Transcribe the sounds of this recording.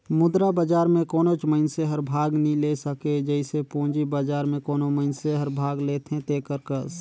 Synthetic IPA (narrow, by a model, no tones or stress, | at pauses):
mʊd̪ɾabəd͡ʒaːɾmẽkoːnot͡ʃməɪnseɦəɾbʱaːɡnĩlesəked͡ʒəɪsepõːd͡ʒibaːd͡ʒaːɾmẽkoːnoməɪnseɦəɾbʱaːɡleːt̪ʰɦẽt̪eːkəɾkəs